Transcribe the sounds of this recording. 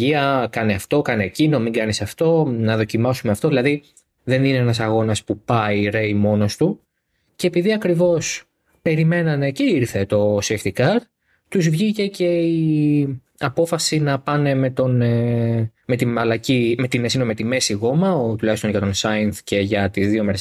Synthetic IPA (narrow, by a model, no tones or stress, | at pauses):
iɐkɐneɐft̪o̞kɐneːcino̞miŋɡɐnisɐft̪o̞nɐðo̞cimɐsumeɐft̪o̞ðilɐði | ðe̞nineenɐsɐɣo̞nɐspupɐiɾe̞jmo̞no̞st̪u | ce̞ːpiðiɐkɾivo̞s | pe̞ɾime̞nɐne̞ceiɾθe̞t̪o̞sext̪ikɐɾ | t̪uzvʝice̞ce̞i | ɐpo̞fɐsinɐpɐne̞me̞t̪o̞ne | me̞t̪imɐlɐcime̞t̪inesinomet̪ime̞siɣo̞mɐot̪ulɐçist̪nʝɐt̪o̞nsɐjɐnθce̞ʝɐt̪izðio̞meɾes